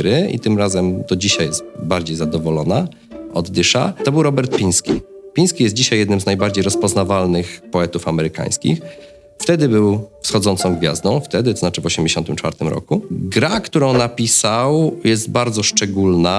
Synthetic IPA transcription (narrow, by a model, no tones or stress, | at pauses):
ɾɘḭt̪ɘmɾazɛmd̪̥ɔd͡ʑiɕajɛst̪baɾd͡ʑejzad̪ɔvɔlɔna | ɔd̪ːɘʂa̰t̪ɔbɘwɾɔbɛɾt̪̚pʲiɲ̃skʲḭpʲĩnskʲijɛst̪̚d͡ʑiɕajːɛd̪nɘmznajbaɾd͡ʑejɾɔspɔznavalnɘxpɔɛt̪ufamɛɾɘka̰j̃skʲḭx | ft̪ɛd̪ɘbɘwfsxɔd̪zɔnt̪sɔ̃w̃ɡvʲja̰zd̪ɔ̃w̃ft̪ɛd̪ɘt̪ɔznat͡ʂɘvɔɕɛmd͡ʑeɕɔnt̪ɘmt͡ʂfaɾt̪ɘmɾɔ̰kuɡɾakt̪uɾɔ̃w̃napʲisawjɛst̪baɾd̪zɔʂt͡ʂɛɡulna